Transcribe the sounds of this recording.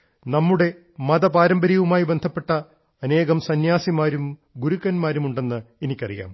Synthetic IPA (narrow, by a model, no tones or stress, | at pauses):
nɐmːuɽe̞ | mɐd̪ɐpaːɾɐmbɐɾijɐʋumaːjibe̞nd̪ʱɐpːe̞ʈːɐ | ɐne̞ːɣɐmsɐnjaːsimaːɾumɡuɾukːɐnmaːɾumuɳɖe̞nːɨenikʲːɐ̰rija̰ːm